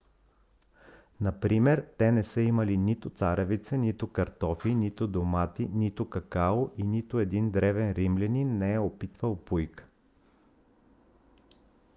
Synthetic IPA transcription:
nɐpɾimɛɾt̪ɛnɛsəimɐlinit̪ʊt̪saɾɛvit̪sɛnit̪ʊkɐɾt̪ɔfinit̪ʊd̪omat̪init̪ʊkɐkaoʔinit̪ʊɛd̪ind̪ɾɛvɛnɾimlʲɛninːɛɛopit̪vəlˠpujk

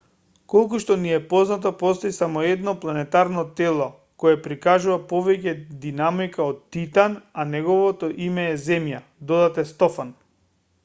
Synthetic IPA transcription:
kolˠk̬uʃt̪ɔniɛpɔznat̪ɔpɔst̪oisamɔɛd̪nɔplˠanɛt̪aɾnɔt̪ɛlˠɔ | kojɛpɾikaʒuvapɔvɛcɛd̪inamikaɔt̪ːit̪ananɛɡɔvɔt̪ɔʔimɛːzɛmja | d̪ɔd̪at̪ɛst̪ɔfan

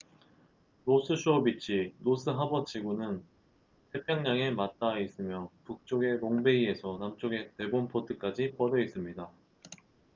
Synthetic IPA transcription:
ɾosʰɯɕʰuʌbit͡ɕ͈ʰiɾos͈ʰɯɦabʌt͡ɕʰiɡunɯn | tʰe̞pʰjʌŋɲaŋe̞mat̚t͈ais͈ɯmjʌpuk̚t͡ɕ͈oɡe̞ɾoŋbe̞ie̞sʰʌnamt͡ɕ͈oɡe̞te̞bonpʰodʰɯk͈ad͡ʑipʌɾʌis͈ɯmɲida

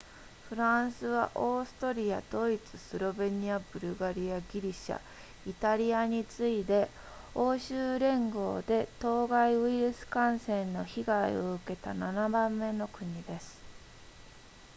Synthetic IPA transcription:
ɸɯ̟ɾãɰ̃sɨβa̰ʔoːsɨ̥t̪oɾʲiad̪̥o̞it͡sɨsɨɾo̞be̞ɲ̟iabɯ̟ɾɯ̟ɡaɾʲiaɡʲiɾʲiɕa̰ | it̪aɾʲiaɲ̟it͡sɨid̪e̞ | o̞ːɕɨːɾẽ̞ŋɡo̞ːd̪e̞t̪o̞ːɡaiɯ̟iɾɯ̟sɨ̥kãɰ̃sẽ̞nːo̞çiɡaḭoɯ̟ke̞t̪ananabãmːe̞no̞kɯ̟ɲ̟id̪e̞sɨ̥

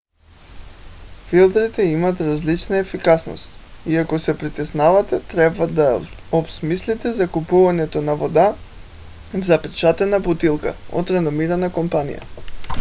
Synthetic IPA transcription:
filˠd̪ɾit̪ɛimat̪ɾazlit͡ʃnaɛfikasno̰st̪iakosɛpɾit̪ɛsnavat̪ɛt̪ɾɛbvad̪a | obsmislit̪ɛzakupuvaɲɛt̪onavod̪a | zapɛt͡ʃat̪ɛnabut̪ilˠka̰o̰t̪ɾɛnomiɾanakompanḭja̰

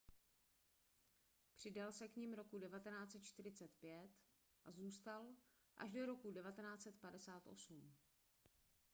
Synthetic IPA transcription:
pr̝̥ɪdalsɛkɲimɾo̞kudɛvat̪ɛnaːt͡sɛt̪̚t͡ʃt̪ɪr̝ɪt͡sɛt̪pjɛt̪ | ʔazuːst̪al | ʔa̰ʃdo̞ɾo̞kudɛvat̪ɛnaːt͡sɛt̪padɛsaːt̪ʔo̞̰sum

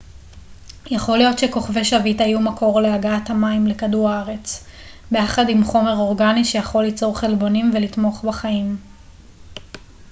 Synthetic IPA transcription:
jaχo̞lijo̞tʃeko̞χve̞ʃavitajumakʰo̞ʁleaɡaathamaimlekaduʁaaʁe̞t͡s | bejaχadimχo̞me̞ʁo̞ʁɡaniʃejaχo̞lːit͡so̞ʁχelbo̞nimvelitmo̞χbaχaim

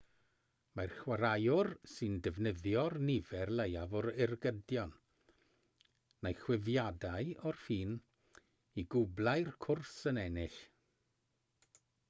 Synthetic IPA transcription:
marχwaɾajʊrsɨndɛvnəðjɔrnɪvɛrləjavɔɾɪrɡədjɔn | najχwɪvjadaɨɔrfiːn | iɡʊblˠajrkʰʊrsənɛnɪɬ

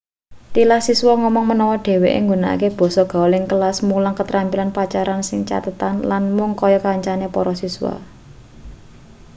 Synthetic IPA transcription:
t̪ilahsisuwɔŋɔmɔŋmənɔwɔɖ̥e̤weʔḛŋɡuna̰keb̥ɔ̤sɔɡ̥a̤ɔlɪŋkəlasmulaŋkət̪ɾampilanpat͡ʃaɾansɪŋt͡ʃa̰t̪ət̪anlanmʊŋkɔjɔkaɲt͡ʃanepɔɾɔsiswa̰

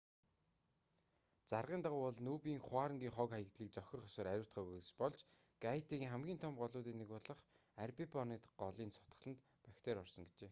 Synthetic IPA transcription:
t͡sarʁiːnt̪aʁʊːɔɮnuːpiːŋχʊaːɾə̆ŋɡʲiːŋχɔːkχajə̆kt̪ɮiːk̚t͡sɔxʲɞ̆χɔsɔːɾæɾʲʊ̆ːw̥ʰʲt̪̚χœːŭspɔɮt͡ɕ | ɡ̥ajʰt̪iɣiŋχæmɡʲiːnt̪ʰɔmpɢɔɮʊːt̪iːneɣʊɮə̆χ | ærpipɔniːt̪ɢɔɮiːnsʰɔ̥t̪ə̥̆ɮə̆nt̪ | pækʲt̪ʰeːɾɔrsɞ̆ŋɡet͡ɕeː

